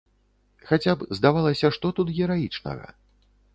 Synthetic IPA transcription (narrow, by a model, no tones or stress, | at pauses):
xat͡sʲapzd̪avalˠɐsʲɐʂt̪ɔt̪ut̪ɣʲɛɾajit͡ʂnɐ̰ɣɐ̰